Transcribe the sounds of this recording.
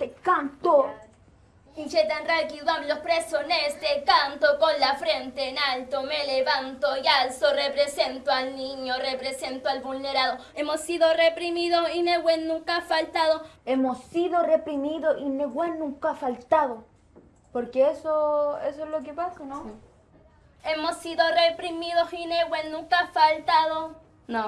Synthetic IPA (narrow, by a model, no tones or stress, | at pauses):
t̪ekant̪o | it͡ʃet̪enralkiðwamlospɾesonest̪ekant̪okonlafɾent̪eːnalt̪omeleβant̪ojalsorepɾese̞nt̪oalnĩɲorepɾese̞nt̪oalβulneɾaðoemosiðorepɾimiðoineɣwenːũŋkafalt̪aðoemosːiðorepɾimiðoineɣwenːũŋkafalt̪aðo | poɾkeesoesoezlok̬epasano | e̞mosiðo̞repɾimiðosineɣwenːũŋkafalt̪aðo | no